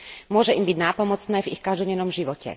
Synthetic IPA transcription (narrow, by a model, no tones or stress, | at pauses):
mʊɔʒɛʔimbiɟnaːpɔmɔt͡snɛːvixkaʒd̪ɔɟɛnɔmʒiʋɔcɛ̰